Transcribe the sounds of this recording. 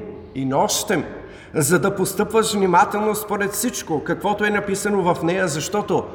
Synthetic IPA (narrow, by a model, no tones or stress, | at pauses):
inɔʃt̪ɛm | zɐd̪ɐpost̪ɤpvəʃvnimat̪ɛlˠnospoɾɛt̪fsit͡ʃkokɐkvɔt̪oɛnɐpisɐnovɐfnɛjəzɐʃt̪ɔt̪o